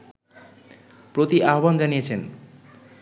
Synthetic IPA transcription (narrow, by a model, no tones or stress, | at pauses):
prot̪iʔaɦband͡zanijet͡sʰen